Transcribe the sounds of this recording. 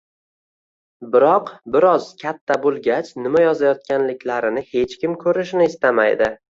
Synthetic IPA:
bɪɾɒqbɪɾɒzkʲʰat̪ʰːabolˠɡʲat͡ʃʰnɪmajɒzajɒt̪̚kʲanlɪkʲlaɾɪnɪhe̞t͡ʃkʲɪmkʰɵɾɪʃ̬nɪːst̪ama̰jd̪ɪ

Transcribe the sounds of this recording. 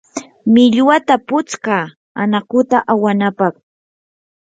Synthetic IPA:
mɪʎwat̪apʊt͡skaː | anakʊt̪aʔawanapɑχ

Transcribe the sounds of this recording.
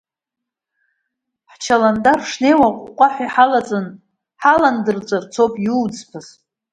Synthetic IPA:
ħt͡ʃʰalandarʂnejwaqʷʼqʷʼaħʷiħalat͡sʼɨn | ħalandɨrt͡sʷʼart͡sʰopʼjuːd͡zpʰaz

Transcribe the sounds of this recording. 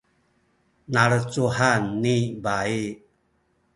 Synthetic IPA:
naɾət͡suɦanːibai

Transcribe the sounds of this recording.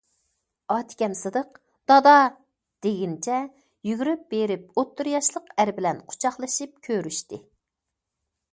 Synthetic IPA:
ɑt̪ʰkʲɛnsɨd̪əq | d̪̥ɑd̪ɑ | d̪̥eɡʲint͡ʃʰɛ | jyɡʲyɾyp̚beɾɪp̚ot̪ʰːuɾjɑʃlˠəqæɾbɪlɛnqʰʊ̥t͡ʃʰɑχlˠɨʃɨp̚kʲʰøɾyʃt̪ɪ

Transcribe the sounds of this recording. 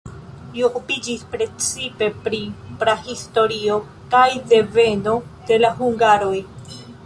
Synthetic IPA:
jokupid͡ʒispɾe̞t͡sipe̞pɾipɾahisto̞ɾio̞ | kajde̞ve̞no̞d̥e̞laɦuŋɡaɾo̞j

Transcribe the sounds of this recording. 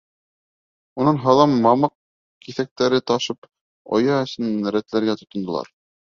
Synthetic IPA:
unɤnɦɑ̆lˠɑmːɑmɑq̚ | kiθæk̚t̪æɾɘt̪ɑʃɤp | o̰jɑɵ̆sɘnɾæt̪læɾɡæt̪ŏt̪ŏnd̪ŏlˠɑ̰ɾ

